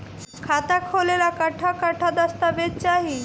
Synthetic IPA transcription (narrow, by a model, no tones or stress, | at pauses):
kʰat̪akʰolelakəʈʰakəʈʰad̪əst̪abet̪t͡ɕaɦi